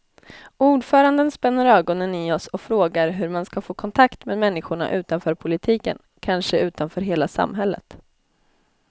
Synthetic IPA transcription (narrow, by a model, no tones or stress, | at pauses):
ʔuːɖfœːɾand̪ənspɛnːəɾœːɡɔnənɪɔsɔfɾoːɡaɾɦɵɾmanskafoːkʰɔnt̪ʰakt̪meːd̪mɛnːɪɧʊɳa̰ʔʉ̟ːt̪anfœːɾpʰʊlɪt̪ʰiːkə̰n | kʰanʂəʉ̟ːt̪anfœːɾɦeːlasa̰mːɦɛlːə̰t̪